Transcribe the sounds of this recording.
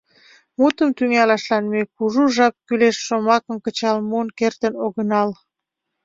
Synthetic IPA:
mut̪əmt̪yŋɑlɑʃlɑnmekuʒuʒɑp̚kyleʃːomɑkə̆mkət͡ɕɑlmunkert̪ənoɣənɑl

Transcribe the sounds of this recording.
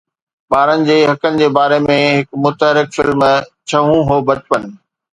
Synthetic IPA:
ɓaːɾənɪ̆d͡ʑeːɦɐkənɪ̆d͡ʑeːbaːɾemẽɦɪkmʊt̪əɦɾɪkfɪlmt͡ɕʰɐɦũɦoːbɐt͡ɕpən̆

